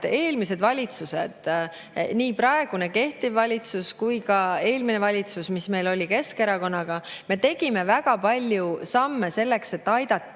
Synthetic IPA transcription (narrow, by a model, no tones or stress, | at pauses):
e̞ːlmise̞d̪vɑlʲit̪sused̪̥ | niːpɾɑe̞ɡ̥une̞ke̞ht̪ivːɑlʲit̪suskujkɑe̞ːlmine̞vɑlʲit̪susmisme̞jlo̞lʲike̞ske̞ɾɑko̞nːɑɡ̥ɑme̞t̪e̞ɡ̥ime̞væɡɑpɑlʲjusɑmːe̞se̞lːe̞kse̞t̪ːɑjd̪̥ɑt̪ːˑ